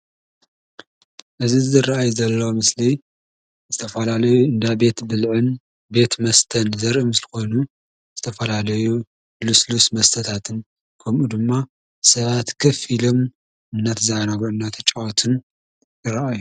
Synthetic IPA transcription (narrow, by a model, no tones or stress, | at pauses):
ʔɨzizɨraʔajzɐlːomɨsli | zɨt̪ʰɐfɐlalɐjuɨnd̪abe̞t̪bɨlʕɨn | be̞t̪mɐst̪ʰɐnzɐɾʔɨmɨslɨko̞jnu | z̥ɨt̪ʰɐfɐlalɐju | luslusmɐst̪ʰɐt̪ʰat̪ʰɨn | kʰɐmʔud̪ɨmːa | sɐβat̪kʰɐfilo̞m | ɨnːat̪zaʕanaɡʕɨnːat̪ʰɐt͡ʃʼːawot̪ʰɨn | ɨɾɐʔaju